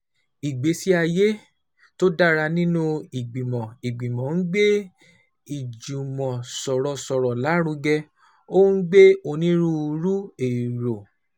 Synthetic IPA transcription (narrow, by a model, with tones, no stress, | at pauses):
i˨ɡ͡be˨˦si˦a˧je˦ | to˦da˦ɾa˧nĩ˦nũ˦i˨ɡ͡bĩ˨mɔ̃˨i˨ɡ͡bĩ˨mɔ̃˨˦n̩˦ɡ͡be˦ | i˨d͡ʒu˨mɔ̃˨sɔ˨ɾɔ˨sɔ˨ɾɔ˨la˨˦ɾũ˧ɡɛ˧ | o˦n̩˦ɡ͡be˦o˧nĩ˦ɾũ˦˧ɾu˦e˨i˨ɾo˨